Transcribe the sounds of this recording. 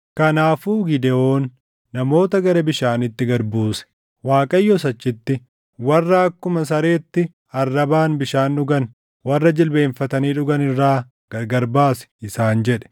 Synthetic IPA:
kɐnaːfuːɡɪd̪ɛoːnː | ɐmo̞ːt̪ɐɡɐɾɐbɪʃaːnɪt̪ːɪɡɐɾbuːsɛ̥ | waːkʼɐjːɔs̬ɐt͡ʃːɪt̪ːɪ | wɐrːɐɐkːʊmɐs̬ɐɾe̞ːt̪ːɪ | ɐrːɐbaːnbɪʃaːnᶑʊɡɐn | wɐrːɐd͡ʒɪlbe̞ːɱfɐt̪ɐniːᶑʊɡɐnɪrːaː | ɡ̥ɐɡɐɾbaːsɛ̥ɪsaːnd͡ʒɛᶑɛ̥

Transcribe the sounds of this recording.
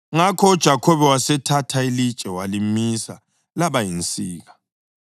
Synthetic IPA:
ŋakʰɔud̥ʒ̥ʱakʰɔβɛwasɛtʰatʰailid̥t͡ʃʼɛwalimisa̰ | laβajint͡sʼiːɣa

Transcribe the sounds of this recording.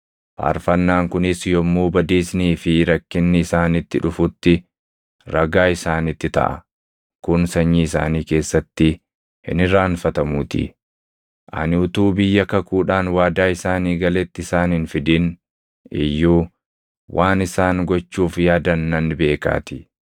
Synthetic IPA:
fa̰ːɾfɐnːaːŋkʊnɪsjɔmːuːbɐd̪iːsniːfɪɾɐkːɪnːɪːsaːnɪt̪ːɪᶑʊfʊt̪ːɪ | ɾɐɡaːɪsaːnɪt̪ːɪt̪ɐ̰ʔɐ̰ | kʊnsɐɲːiːɪsa̰ːniːke̞ːsːɐt̪ːɪ | hɪ̰nɪɾaːnfɐt̪ɐmuːt̪ɪ̰ | ʔɐ̰nɪʊt̪uːbɪjːɐkɐkuːᶑaːnwaːd̪aːɪsaːniːɡɐlɛt̪ːɪɪsaːnhɪnfɪd̪ɪn | ɪ̰jːuː | wʔaːnɪsaːŋɡɔt͡ʃːuːfjaːd̪ɐnːɐnbe̞ːka̰ːt̪ɪ

